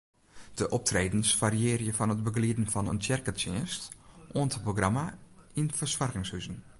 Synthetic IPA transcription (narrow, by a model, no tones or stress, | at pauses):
d̥əʔɔp̚tʰreːdn̩sfariɪːrjəfɔnət̚bəɡliədn̩fɔnə̰ntɛrkətɪ̰ːstʔoəntəproɡramainfərswɔrɣɪŋshyzn̩